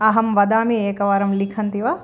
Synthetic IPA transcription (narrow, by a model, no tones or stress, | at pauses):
ɐɦɐmʋɐd̪aːmieːkɐʋaːɾɐmlikʰɐnt̪iʋa